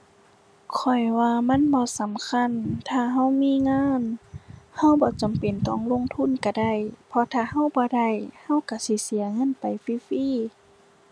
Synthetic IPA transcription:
kʰɔ˨˧˩jwaː˧ma˧˥˨nbɔː˧˦sa˨˦mkʰa˧˥˨nt̪ʰaː˧˩ɦa˧˥˨wmiː˧˨ŋaː˧˥˨nha˧˥˨wbɔː˧˦t͡ɕa˨mpe˨nt̪ɔː˧˩ŋlo˧˥˨ŋt̪ʰu˧˥˨nka˧˩da˧˩˨jpʰɔ˧t̪ʰaː˧˨ha˧˥˨wbɔː˧˦da˧˩˨jha˧˥˨wka˧˩si˧˦si˨˦ɐŋɤ˧˥˨npa˨jfiː˧˨fiː˧˥˨

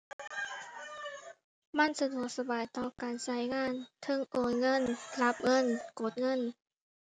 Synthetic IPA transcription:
ma˧˥˨nsa˧du˨˩˦ək̚sa˧baː˨˩jt̪ɔː˧˩kaː˨nsa˧˦˥jŋaː˧˥˨nt̪ʰɤ˧˥˨ŋʔoː˨˩jŋɤ˧˥˨nla˧˦˥p̚ŋɤ˧˥˨nko˧˦t̪̚ŋɤ˧˥˨n

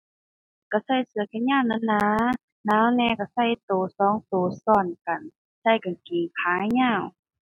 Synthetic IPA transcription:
ka˧˩sa˧˩jsɯ˨˧əkʰɛ˧˥˨nɲaː˧˥˨wna˧˥˨nːaː˧ | naː˧˥˨wnɛː˧˥˨ka˧˩sa˧˥˩jt̪oː˨˩sɔː˧˦˨ŋt̪oː˨˩sɔː˧˩˨nka˨˩n | sa˧˩jka˨nkiː˨˩kʰaː˨˦jɲaː˧˨w

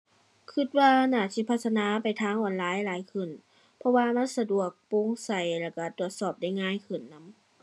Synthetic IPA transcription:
kʰɯ˧˩t̪̚waː˧naː˧˩si˧˦˩pʰa˧t̪ʰːsa˧naː˧˥pa˨˩jt̪ʰaː˧˥˨ŋʔɔː˨˩nlaː˧˥˨jlaː˨˦jkʰɯ˧˩n | pʰɔ˧waː˧ma˧˥˨nsa˧du˨˩ək̚po˧˥˨ŋsa˧˩jlɛː˧˩ka˧˩t̪u˧˨˩ət̪̚sɔː˧˩p̚da˧˩jŋaː˧˥˨jkʰɯ˧˩nːa˦˥m

